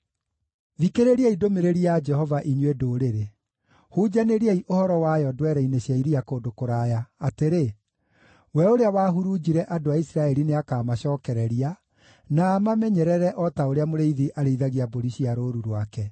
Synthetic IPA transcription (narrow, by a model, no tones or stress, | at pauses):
ðikeɾeɾiaidomeɾeɾiad͡ʒɛhɔvaʔiɲwedoɾeɾe | huːd͡ʒaneɾiaiʔohɔɾɔwajɔdwɛɾɛineɕjaiɾiakoːdokoɾaːjaateɾe | wɛoɾeawaːɦuɾud͡ʒiɾɛʔadoaisiɾaɛɾineakaːmaɕɔːkɛɾɛɾia | naːmamɛɲɛɾɛɾɛʔɔtaoɾeamoɾeiðiʔaɾeiðaɣiaboɾiɕiaɾoɾuɾwakɛ